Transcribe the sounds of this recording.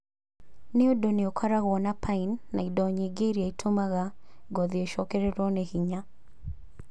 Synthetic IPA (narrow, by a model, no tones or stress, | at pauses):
nɪodoniokʰaɾaɣɔnapʰainːa̰idɔɲiɡeɾiaitʰomaɣaɡɔðiɛʃɔkɛɾɛɾɔnehiɲa